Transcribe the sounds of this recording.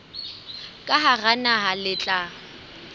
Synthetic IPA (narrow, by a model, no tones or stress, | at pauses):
kʼaɦaɣanaɦalɪt͡ɬʼa